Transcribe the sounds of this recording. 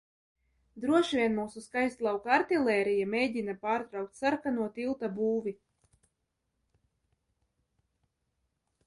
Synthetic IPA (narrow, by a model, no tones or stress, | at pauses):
d̪ɾuɔʃvʲiɛnmuːsuskajst̪lˠawkaɾt̪ilʲˠɛːɾijameːɟinapaːɾt̪ɾawk̚t̪ʲsaɾkanuɔt̪ilˠt̪abuːvʲi